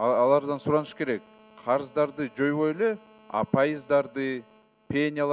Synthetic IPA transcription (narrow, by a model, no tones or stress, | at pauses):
ɑlˠɑɾd̪ɑnsuɾɑnɯʃke̞ɾe̞k̚ | qʰɑɾɯzd̪ɑɾd̪ɯd͡ʒo̞jβo̞jele̞ | ɑ̰pʰajɯzd̪ɑɾd̪ɨ | pʲenʲɪjalˠ